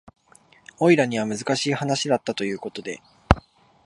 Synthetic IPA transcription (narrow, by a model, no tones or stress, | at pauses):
o̞iɾaɲ̟iβ̞amɯ̟zɨkaɕiːhanaɕid̪at̪ːat̪o̞jɯ̟ːko̞t̪o̞d̪e̞̰